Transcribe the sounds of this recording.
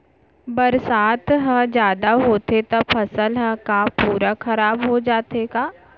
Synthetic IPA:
bɐɾsaːt̪ɦə̃d͡ʒjaːd̪aɦoːt̪et̪ɐpʰɐsəlɦə̃kapuːɾakʰɐɾaːbɦod͡ʒaːt̪ekaː

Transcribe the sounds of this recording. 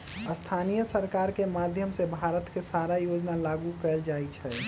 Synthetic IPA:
əst̪ʰanijəsəɾkaɾkemad̪ʱjəmsebʱaɾət̪kesaɾajod͡ʒnalaɡukɛld͡ʒait͡ʃʰɛ

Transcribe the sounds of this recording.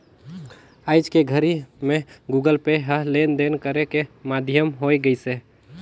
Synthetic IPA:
aɪd͡ʒkeɡʱəɾimẽɡuɡəlpeɦəɦlend̪enkəɾekemad̪ʱjəmɦoɡəjse

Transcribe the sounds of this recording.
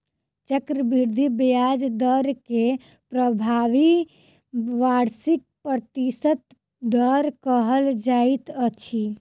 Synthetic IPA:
t͡ʃəkɾəbiɾd̪ʱibjad͡ʒd̪əɾke | pɾəbʱaʋi | ʋaɽsik̚pɾət̪isət̪ | d̪əɾkəɦəld͡ʒait̪ət͡ʃʰi

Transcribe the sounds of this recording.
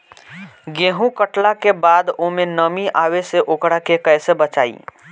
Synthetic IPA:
ɡẽːɦũkəʈlakebaːd̪oːmẽnəmiʔaːweseʔoːkɽakekɛsebət͡ʃaːḭː

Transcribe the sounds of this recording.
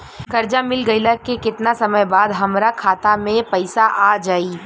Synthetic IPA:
kɐɾd͡ʒamɪlɡɐiləkekɪt̪nasɐməjbaːd̪ɦɐmɾakʰaːt̪amẽpɐɪsaʔaːd͡ʒaːiː

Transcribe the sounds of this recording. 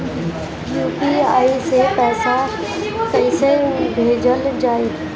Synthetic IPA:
juːpiaːisepɛːsa | kɐ̃ĩsebʱeːd͡ʑʱəld͡ʑaːeː

